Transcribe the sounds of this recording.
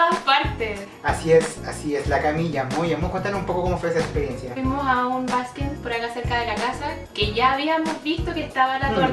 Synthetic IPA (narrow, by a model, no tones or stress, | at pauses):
aspaɾt̪es | asiesasieslakamiʎamujamokwent̪anosumpokokomofes̬eekspeɾje̞nsjaimo̞saunbasket̪poɾakase̞ɾkaðe̞lakasa | ke̞ʝaːβiamo̞zβist̪o̞kest̪aβalao